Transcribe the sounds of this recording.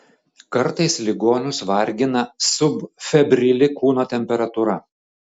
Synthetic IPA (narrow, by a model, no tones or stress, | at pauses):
kɐɾt̪ɐɪslʲɪɡoːnʲʊsʋɐɾʲɡʲɪnɐsʊbfʲɛbʲɾʲɪlʲɪkuːnoːt̪ʲɛmʲpʲɛɾɐt̪uɾɐ